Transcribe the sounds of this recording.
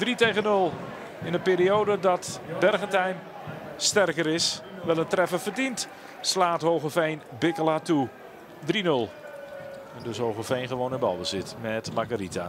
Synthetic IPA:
d̥ritejɣənɵlˠ | ɪnəpeːɾiowdədɑtbɛrɣəntɛjn | stɛrkəɾɪsʋɛləntrɛfəfərdint | slaːtɦowɣəfejnbɪkəlatu | drinɵlˠ | ɛndɵsɦowɣəfejnχəʋownənbɑ̰lˠbəzɪtmɛtmaɡaɾita̰

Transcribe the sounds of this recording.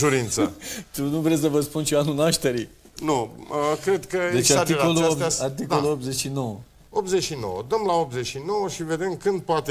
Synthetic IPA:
ʒuɾinsət̪unuvɾes̬əvəspunʃoanunaʃt̪e̞ɾi | nuəkɾe̞d̪kəd̪et͡ʃat̪ikoluoart̪iko̞luopze̞t͡ʃʲʃino̞wə | opzeʃino̰wəd̪əmlaop̪̚zet͡ʃʃino̞wəʃive̞d̪e̞mkɨnd̪̚poat̪e

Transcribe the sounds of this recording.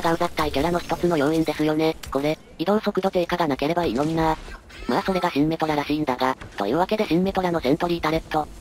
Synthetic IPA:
ɡãmbat̪t̪ːaikeɾano̞çʲi̥t̪ot͡sɨnojõ̞ĩnd̪esɨjo̞ne̞ko̞ɾe̞ | id̪õ̞ɰso̞kɯ̟d̪o̞k̪e̞ːkaɡanake̞ɾe̞bainõ̞nːa | maːso̞ɾe̞ɡaɕĩmːe̞t̪oɾaɾaɕiːnd̪aɡat̪o̰iβake̞d̪e̞ɕĩmːe̞t̪o̞ɾano̞sẽ̞nt̪o̞ɾʲiːt̪aɾe̞ɯ̥t̪ːo̞

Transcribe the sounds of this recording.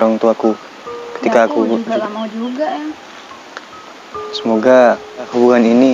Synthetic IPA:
ɾɔŋt̪uaku | kə̥t̪ikaːkud͡ʒ | səmoɡa | hubuŋanini

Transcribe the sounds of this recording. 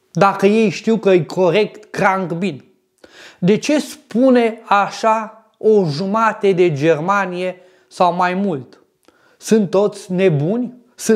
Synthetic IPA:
d̪akəje̞jʃt̪iwkəɨjkʰo̞ɾe̞kt̪kɾaŋɡbin | d̪e̞t͡ʃe̞spune̞aʃa | oʒumat̪ed̪e̞d͡ʒe̞rmanije̞ | sawmajmult̪ | sɨnt̪ːo̞t̪sʲne̞bunʲ | sɨ

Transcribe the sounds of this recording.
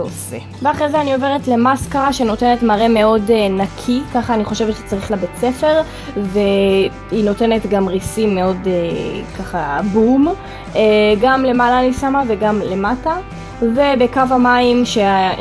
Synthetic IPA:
osḛ | veaχʁezeanio̞veʁetle̞maskaʁaʃeno̞te̞netmaʁe̞me̞o̞denakʰikaχaːniχo̞ʃevtʃt͡saʁiχlabet͡se̞fe̞ʁ | ve̞ | hino̞te̞ne̞t̪ɡamʁisimːeo̞dekaχabum | eɡamle̞malanisamaveɡamle̞mata | ve̞bekavamaimʃe

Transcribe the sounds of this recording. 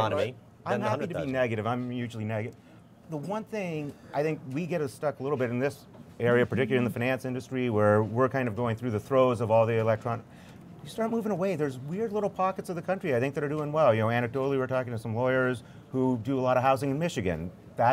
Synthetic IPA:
ni | ãɪnnid̚tʰɨbnɛɡɨɾɨvãɪ̃mjʉʒl̩ˠinɛɡɨ | ðəwʌ̃nθɪ̃ŋʔaɪθɪ̃ŋkwiɡɛɾɨstʌkəlɪɾl̩ˠbɪɾɨ̃nðɪs | ɛɹiɨpʰə˞tɪkjl̩ˠə˞ɨ̃nðəfaɪ̃næ̃nsɪ̃ndɨstɹ̥iwə˞wɪɹkʰãɪ̃ndʌvɡoʊɪ̃ŋθɹʉðɨθɹoʊzʌvɔlˠðiɨlɛk̚tʰɹ̥ɑn | jɨstɑɹt̚muvɪ̃ŋəweɪðə˞zwɪɹdˡlɪɾl̩ˠpʰɑkɨtsʌvðɨkʰʌ̃nt͡ʃɹ̥iaɪθɪ̃ŋk̚ðɨɾə˞dʉɪ̃ŋwɛlˠjɨnoʊæ̃ñɨk̚d̥oʊlˠiwɨɹtʰɔkɪ̃ŋtʰɨsʌ̃mlɔɪə˞z̥ | hudɨəlɔɾʌɦaʊzɪ̃ŋɨ̃nmɪʃɨɡɨ̰̃n | ðə

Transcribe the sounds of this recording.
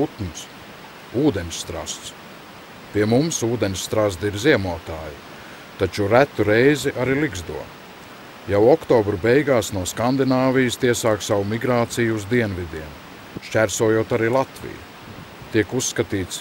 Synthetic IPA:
ut̪ns | uːd̪enʲsːt̪ɾa̰st̪s | pʲiɛmumsuːd̪enʲsst̪ɾazd̪iɾziɛmuɔt̪aːji | t̪at͡ʃuɾæt̪ːuɾɛjziʔaɾiliɡzd̪ṵɔ | jawɔkt̪ɔːbɾubɛjɡaːsnuɔskand̪inaːvijst̪iɛsaːksawumiɡɾaːt̪sijuzd̪iɛnvid̪iɛn | ʃt͡ʃʲæɾsuɔjuɔt̪aɾiːlˠat̪vḭjṵ | t̪iɛkusːkat̪iːt̪s

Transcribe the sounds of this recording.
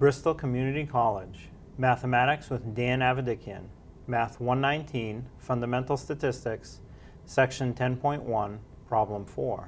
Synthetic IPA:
b̥ɹɪstl̩ˠkʰəmjʉnɨɾikʰɑlˠɪ̥d͡ʒ | mæθəmæɾɨkswəðdæ̃nævɨdɪkʰiɨ̰̃n | mæθwʌ̃nːãɪ̃ntʰĩnfʌ̃ndəmɛ̃ntˡl̩ˠstɨtʰɪstɪksː | ɛkʃɨ̃ntʰɛ̃npʰɔ̃ɪ̃nʔwʌ̃npʰɹ̥ɑblə̃mfɔ̰ɹ

